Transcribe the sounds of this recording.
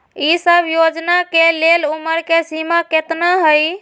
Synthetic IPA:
isəbʱjod͡ʒnakeleluməɾkesimaket̪naɦəj

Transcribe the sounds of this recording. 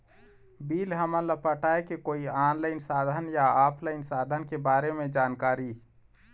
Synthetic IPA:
biːlɦəmələpəʈʰaːekekoːiaːnləɪnsaːd̪ʱənjaaːpʰləɪnsaːd̪ʱənkebaːɾemẽd͡ʒaːnkaːɾi

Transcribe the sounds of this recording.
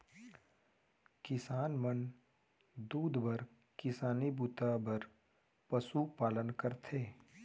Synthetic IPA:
kɪsaːnmən | d̪uːd̪bəɾ | kɪsaːnibuːt̪abəɾ | pɐsupaːlənkəɾt̪ʰeː

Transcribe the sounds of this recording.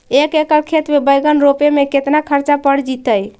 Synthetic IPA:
ekekəlkʰet̪mebəjɡənɾopemeket̪nakʰəɾt͡ʃapəɽ̤d͡ʒit̪əj

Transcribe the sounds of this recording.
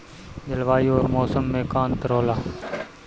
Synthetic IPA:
d͡ʒəlʋaːioːɾmoːsəmːẽːkaːnt̪əɾoːlaː

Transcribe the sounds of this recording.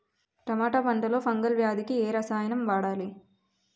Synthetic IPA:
pɾɐmaːʈɐpɐɳʈɐlo̞ːpɐŋɡɐlʋjaːd̪ikieːɾɐsaːjɐnɐmʋaːɽaːli

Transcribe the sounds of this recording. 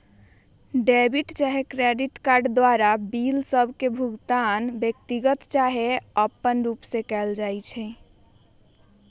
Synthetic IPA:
ɖebiʈt͡ʃaɦekɾeɖiʈkaɾɖd̪waɾabilsəbʱkebʱuɡt̪anbjək̚t̪iɡət̪t͡ʃaɦeəpːənɾupsẽkɛld͡ʒajt͡ʃʰɛ

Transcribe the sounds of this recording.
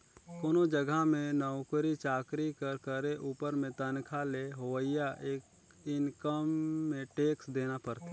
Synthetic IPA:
koːnod͡ʒəɡʱamẽnɔʊkɾit͡ʃaːkɾikəɾkəɾeʔuːpəɾmẽt̪ənkʰaleɦoʋəɪjaʔeːk | ɪnkəmːẽʈeːksd̪eːnapəɾt̪e

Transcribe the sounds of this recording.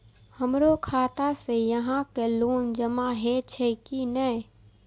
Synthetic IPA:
həmɾokʰaːt̪asejəɦãkeloːnd͡ʒəmaɦet͡ʃʰekinə

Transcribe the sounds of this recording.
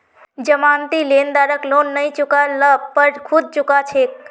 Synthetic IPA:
d͡ʒəmant̪ilend̪aɾəklonːəjt͡ʃukaləbpəɽkʰud̪̚t͡ʃukat͡ʃʰek̚

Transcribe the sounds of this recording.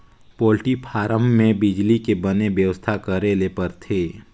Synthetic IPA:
poːlʈipʰaːɾəmːẽbɪd͡ʒlikebənebjəʋəst̪ʰakəɾelepəɾt̪ʰeː

